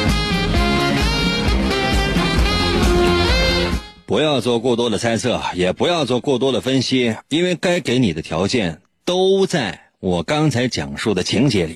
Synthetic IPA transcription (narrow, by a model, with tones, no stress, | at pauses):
pu˧˥jɑ˥˧ʊt͡swɔ˥˧kwɔ˥˩t̪wɔ˥d̪ə˨t͡sʰa˥ɪt͡sʰɤ˥˩jɛ˨˩pu˧˥jɑ˥˧ʊt͡swɔ˥˧kwɔ˥˩t̪̬wɔ˥d̪ə˨fə˥nɕi˥i˥nwe˥˩ɪka˥ɪke˧˥ɪni˨˩d̪ə˦t̪ʰjɑ˧˥ʊt͡ɕjɛ˥˩n | t̪o˥ʊt͡sa˥˩ɪ | wɔ˨˩kɑ˥ŋt͡sʰa˧˥ɪt͡ɕjɑ̰˨˩ŋʂu˥˩d̪ə˩t͡ɕʰi˧˥ŋt͡ɕjɛ˧˥li˨˩˦